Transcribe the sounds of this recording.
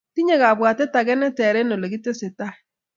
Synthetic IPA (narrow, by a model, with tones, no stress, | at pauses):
ti˦ɲe˦ɣa˨βwaː˨tɛ˦ta˨ɣɛ˦nɛ˦tɛ˨ɾe˦no˨le˨ɣi˦te˦se˨ta˦